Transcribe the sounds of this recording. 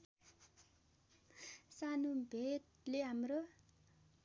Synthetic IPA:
sanubʱet | leɦamro

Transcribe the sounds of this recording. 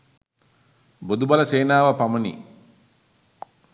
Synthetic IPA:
bod̪ubɐlɐseːnaːʋɐpɐmɐnḭ

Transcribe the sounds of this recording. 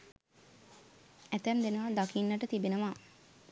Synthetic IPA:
æt̪ænd̪enəʋad̪akinːəʈət̪ibenəʋa

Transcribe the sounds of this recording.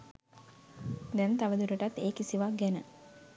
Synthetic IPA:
d̪ɛnt̪aʋəd̪uɾəʈat̪ːeːkisiʋaɡɛnə

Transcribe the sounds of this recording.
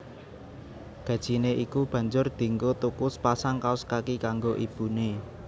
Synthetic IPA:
ɡ̥ä̤d̥ʒ̥i̤neʔikub̥ä̤ɲd͡ʒʊrd̪̥i̤ŋɡot̪ukʊspasaŋkaʊskakikaŋɡoʔib̥ṳne

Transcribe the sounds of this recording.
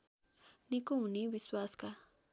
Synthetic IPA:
nikuniβiswaska

